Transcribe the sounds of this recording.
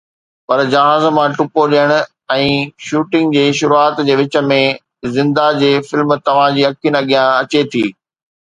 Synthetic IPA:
pɐɾd͡ʑɐɦaːzmãʈʊpoɗijəɽ̃ʊ̆ | ɛ̃ːʃuːʈɪ̃ŋɡd͡ʑeːʃʊɾuaːt̪d͡ʑeːʋɪt͡ɕə̆mẽ | zɪ̃nd̪ad͡ʑeːfɪlmt̪ɐʋ̤ãd͡ʑiːɐkʰiənɐɠijãɐt͡ɕet̪ʰiː

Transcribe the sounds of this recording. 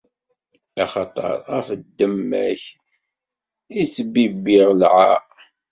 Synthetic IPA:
ɑχɑt̪ˤɑ̰ɾˤæfəd̪ːəmːæ̰ç | isəbibiʁlʕa

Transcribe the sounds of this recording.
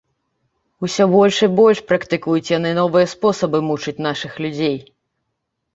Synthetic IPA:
usʲɔbɔlʲʂɨbɔlʲʂpɾɐkt̪ɨkujut͡sʲjanɨnɔvɨjɐspɔsɐbɨmut͡ʂɨt͡sʲnaʂɨxlʲud͡zʲej

